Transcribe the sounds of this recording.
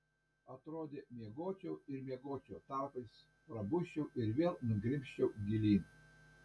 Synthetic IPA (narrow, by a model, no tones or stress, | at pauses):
ɐt̪ɾoːd̪ʲeːmʲiɛɡoːt͡ʃʲɛʊɪɾmʲiɛɡoːt͡ʃʲoːt̪ɑˑːpɐɪs | pɾɐbʊʃʲt͡ʃʲɛʊʔɪɾʋʲeːlˠnʊɡɾʲɪmʲʃʲt͡ʃʲɛʊɡʲɪlʲiːn